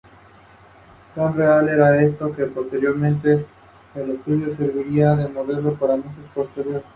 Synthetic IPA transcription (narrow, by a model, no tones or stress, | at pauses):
t̪anre̞ale̞ɾaest̪o̞ke̞po̞st̪e̞ɾjo̞ɾmẽnt̪e̞ː | le̞st̪uðjo̞se̞ɾβiɾiaðe̞mo̞ðe̞lopaɾamisespo̞st̪e̞ɾjo̞ɾe